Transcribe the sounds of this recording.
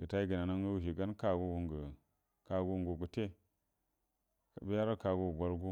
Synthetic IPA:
ɡ̥ə˨ta˦i˦ɡə˨na˨na˦ŋ˦ə˦wu˦˨ʃ̬i˨ɡa˦nka˦ɡu˦wu˨˦ŋɡə˨ | ka˨ɡu˦ŋɡu˨ɡu˨te˦ | ka̰˨bi˦ja˦ɾa˦ka˨ɡu˦˨ɡʷa˦ɾɡu˦

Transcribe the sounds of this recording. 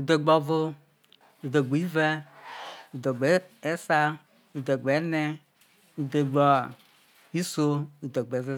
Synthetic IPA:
u˨d̪e˨ɡ͡bɔ˨vʊ˦ | u˨do˨ɡ͡bu˨i˦vɛ˦ | u˨dɔ˨ɡ͡be˨˦ɛ˦sa˦ | u˨d̪ɔ˨ɡ͡be˨˦nɛ˦ | u˨d̪e˨ɡ͡bɔ˨ | i˦so˦u˨d̪o˨ɡ͡be˨˦ve˦

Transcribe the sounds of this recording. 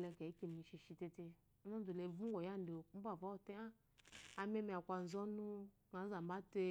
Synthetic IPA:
le˧ka˨i˦ki˨mi˧ʃi˧ʃi˧te˧te˧˦ | na˦du˨le˨vu˦ɡʷo˨ja˦n˦do˨˦m̩˦ba˦˨va˨˦˨te˦a˦ | a˧me˦mi˧a˨kʷa˧n̩˨zɔ˦nu˦ | ŋa˨˦za˨m˨ba˦te˧

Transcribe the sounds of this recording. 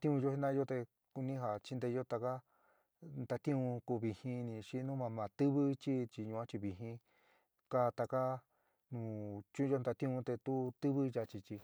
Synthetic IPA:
t̪ĩ˦ũ˧jo˧˦hi˦nã˦˧jo˦t̪e˧ | ku˧nĩ˦ɦa˨t͡ʃi˦˧nd̪e˧o˦t̪a˧ka˦ | nd̪a˧t̪ĩ˦ũ˧ku˧βi˧hĩ˧nĩ˧ʃi˦˧nũ˦mã˧mã˨t̪ɨ˦βɨ˦t͡ʃi˦t͡ʃi˧˨ɲũ˧ã˦t͡ʃi˧βi˧ɦĩ˧ | ka˦˧t̪a˧ka˦ | nũː˨t͡ʃũ˦˧o˦˧nd̪a˧t̪ĩ˦ũ˧t̪e˧t̪u˦t̪ɨ˦βɨ˦ja˧t͡ʃi˧t͡ʃi˧

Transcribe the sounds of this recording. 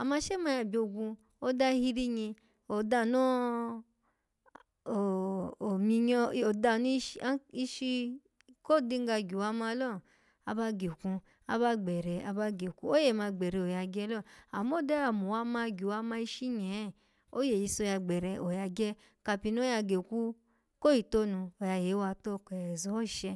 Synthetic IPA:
a˨mã˧˦ʃe˦ma˧˦ja˨bi˨o˧ɡũ˧ | o˦da˦hi˧ɾi˦ɲĩ˧ | o˨da˧˨nɔ˦˨ | o˨mi˧ɲɔ˧o˨da˧˨nũ˦˧˦a˦i˧˦ʃi˧ | ko˦˨di˧ŋ̩˦ɡa˧ɡʲu˨wa˧ma˧˦lɔ˦˨ | a˧ba˦ɡe˨kũ˧ | a˧ba˦ɡ͡bɛ˨ɾɛ˨a˧ba˦ɡe˨kũ˧˦o˦je˦˨mã˧ɡ͡bɛ˨ɾɛ˨˧o˨ja˧ɡɛ˦lɔ˦˨a˨mo˦˨dɛ˦a˨mo˨wa˧˦mã˧ɡʲu˨wa˧mã˧i˧ʃi˦ɲɛ̃˨˦˨ | o˦je˨ji˨˧˦so˧ja˧ɡ͡bɛ˨ɾɛ˧ʔo˨ja˧ɡɛ˦ | ka˧pi˧n˦o˦ja˧ɡe˨ku˦ | ko˦ji˨to˦nũ˧o˨ja˧je˨˦wa˧to˦˨kɛ˨zɔ˨˦˨ʃɛ˧

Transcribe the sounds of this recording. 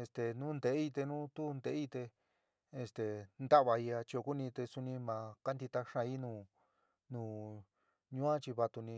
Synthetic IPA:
e˧st̪e˨nũ˦nd̪e˨˦i˦˧t̪e˧nũ˦t̪u˦nd̪e˨˦i˦˧t̪e˧ | e˧st̪e˨nd̪a˦βa˧i˧a˧t͡ʃi˧o˧ku˦nĩ˧t̪e˧su˧nĩ˧mã˨˧ka˦nd̪i˧t̪a˧ʂã˧i˦nũː˧˨ | nũː˨ | ɲũ˦ã˦t͡ʃi˧βa˧t̪u˧nĩ˧

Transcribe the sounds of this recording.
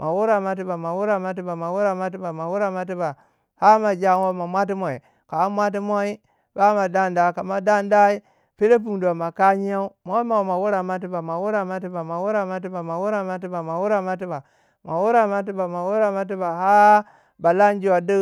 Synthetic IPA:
mʔa˨wu˦ɾa˨ma˨t̬i˦ba˨ma˨wu˦ɾa˨ma˦t̬i˦ba˨ma˨wu˦ɾa˨ma˦t̬i˦ba˨ma˨wu˦ɾa˨ma˦t̬i˦ba˨ | ha˦ma˨d͡ʒʲa˦nwo˦ma˨mʷa˦t̬i˦mo˨i˨ | ka˨˦mʷ˦a˦t̬i˦m˦o˦i˦ | ba˦ma˨da˦nda˦˨ka˨ma˨da˦nda˦i˦ | pi˦ɾe˦p̬u˨ŋda˨ma˨ka˦ɲi˦ja˦u˦mo˦ma˨wma˨wu˦ɾa˨ma˦t̬i˦ba˨ma˨wu˦ɾa˨ma˦t̬i˦ba˨ma˨wu˦ɾa˨ma˦t̬i˦ba˨ma˨wu˦ɾa˨ma˦t̬i˦ba˨ma˨wu˦ɾa˦ma˦t̬ba˨ | ma˨wu˦ɾa˨ma˦t̬i˦ba˨ma˨wu˦ɾa˨ma˦t̬i˦ba˨ɦa˦ | ba˨la˦n˦d͡ʒi˨wa˨də˦

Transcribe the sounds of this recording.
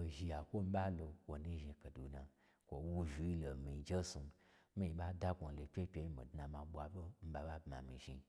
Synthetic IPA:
o˨ʒi˨a˨kʷo˦m̩˦ba˦lo˧wo˨ni˦ʒi˧kə˨du˨na˨ | kʷo˨wu˧vi˨i˦lo˨mi˨d͡ʒe˦su˧˦ | mi˦i˨ɓa˦da˦kʷo˨n˨lo˨pʲe˦pʲe˧ji˦mḭ˨dna˨mã˨ɓʷa˨bo˦m̩˦ba˨ɓa˦bma̰˨mḭ˨ʒḭ˧

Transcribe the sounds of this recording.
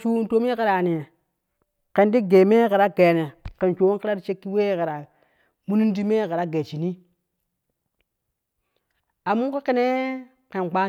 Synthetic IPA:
t͡ʃu˦n˦to˦mi˦ke˦ɾa˨ni˨ | ke˨ndi˦ɡe˨me˦ke˨ɾa˦ɡe˨ne˨ke˨nt͡ʃo˨wki˦ɾa˦di˦t͡ʃe˦kːi˦we˦ke˨ɾa˨ | mu˦ni˦n˦di˦me˦ke˨ɾa˦ɡe˨t͡ʃi˨ni˦ | a˨mu˦ki˦ke˦ne˦ | ke˨nɡ͡ba˦

